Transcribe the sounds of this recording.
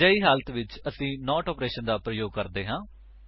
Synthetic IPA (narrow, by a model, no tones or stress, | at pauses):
aːiːɦaːlət̪ʋɪt͡ʃəsĩːnɔːʈɔːpɾeːʃənd̪aːpɾəjoːɡ̚kəɾd̪eːɦãː